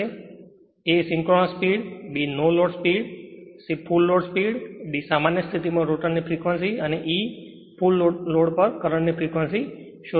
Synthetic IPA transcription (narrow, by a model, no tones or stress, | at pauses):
e | esɪ̃ŋkɾoɽospiɽbinoloɽspiɽsipʰulːoɽspiɽbisamanjəst̪ʰit̪imãɾoʈənːifʰɾikʋənsiəneʔi | pʰulloɽpəɾkəɾəɳnifʰɾikʋənsi | ʃo